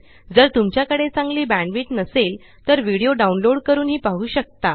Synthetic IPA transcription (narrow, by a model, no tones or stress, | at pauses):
d͡zəɾt̪umt͡ɕjakəɽet͡sãŋɡliːbæ̃ɳɖʋiːʈnəsel | t̪əɾʋiɽijoɖaunloɽkəɾuːnɦiːpaɦuːɕək̚t̪a